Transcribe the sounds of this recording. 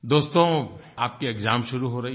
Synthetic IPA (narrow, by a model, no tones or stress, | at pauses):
d̪oːst̪õ | aːpkieɡzaːmʃʊɾuɦoɾɐɦi